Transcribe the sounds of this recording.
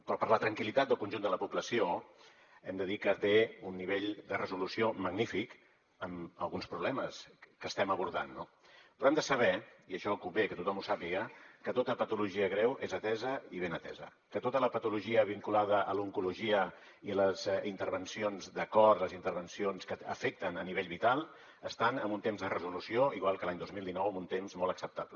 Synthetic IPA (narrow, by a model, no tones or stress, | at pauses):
pɾɔpəɾlət̪ɾəŋkilit̪at̪̚d̪əlˠkunʲʒund̪ələpupləsio | ɛmd̪əðikət̪eunːiβ̞eʎd̪ərəzulusioməɡnifik | əmə̰lˠɣunspɾuβlɛməskəst̪ɛməβuɾða̰nːo | pɾɔɛmd̪əsəβɛiəʃɔkumbekət̪ut̪ɔmusapiɣəkət̪ot̪əpət̪uluʒiəɣɾɛwʔezət̪ɛzəiβenət̪ɛ̰zə̰ | kət̪ot̪ələpət̪uluʒiəβ̞iŋkulað̞əʔəluŋkuluʒiə | iləzint̪əɾβənsionzd̪əkɔrt̪ləzint̪əɾβənsionskəə̰fek̚t̪ənəniβeʎβit̪alˠ | əst̪anəmbunt̪emzðərəzulusioiɣwalˠkəlaɲd̪ozmilˠd̪inɔwəmunt̪emzmɔlˠəksəp̚t̪aplə